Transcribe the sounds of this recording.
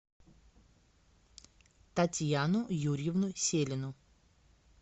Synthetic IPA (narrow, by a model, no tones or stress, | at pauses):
t̪ɐtʲjanʊjuɾʲjɪvnʊsʲelʲɪnʊ